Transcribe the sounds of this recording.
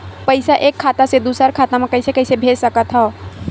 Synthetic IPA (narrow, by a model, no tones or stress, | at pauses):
pəɪsaʔeːkʰːaːt̪ased̪uːsəɾkʰaːt̪amẽkəɪsekəɪsebʱeːd͡ʒsəkət̪ɦɔ̃